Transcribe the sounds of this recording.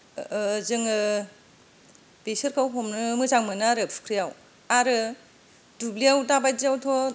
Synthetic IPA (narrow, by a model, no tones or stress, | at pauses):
zɯŋɯ | besɯɾkʰawɦɔmnɯmɯzaŋmɯnɯaɾɯpʰu̥kʰɾijaw | aɾɯ | dublijawdabajziawtʰɔ